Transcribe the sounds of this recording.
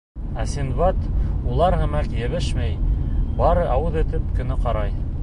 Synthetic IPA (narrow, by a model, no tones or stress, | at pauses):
æsinβɑt̪ulˠɑɾhɘ̆mækjɘ̆βɘʃmæjbɑɾɤʔɑwɤðɘ̆t̪ɘp̚kɵ̆nɘqɑɾɑj